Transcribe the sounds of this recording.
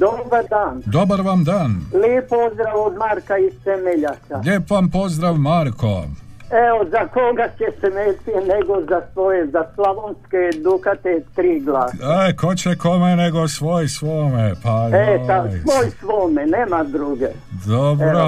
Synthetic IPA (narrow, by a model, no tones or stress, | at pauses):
d̪obaɾd̪aːnd̪obaɾʋamd̪aːnlipozd̪ɾaʋod̪maɾkaist̪emeʎakaʎʲeːpʋampo̞zd̪ɾaʋmaɾkʰo̰ | eozakoɡat͡ɕesemeːt̪ineɡozasʋojezaslaʋonsked̪ukat̪et̪ɾiːɡlaːekot͡ɕekomeneɡosʋoːjsʋoːmepaesasʋoːjsʋoːmeneːmad̪ɾuɡe | d̪obɾo